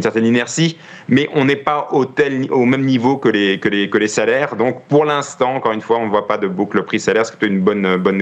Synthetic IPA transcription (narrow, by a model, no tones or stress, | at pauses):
nsɛʁt̪ɛninɛʁsi | mɛʔɔ̃nɛpaot̪ɛlomɛmnivokəlekəlekəlesalɛːʁd̪ɔ̃kpuʁlɛ̃st̪ɑ̃ɑ̃kɔʁynfwaɔ̃nəvwapad̪əbukləpχisalɛʁsə̥kə̥t̪aynbɔnbɔn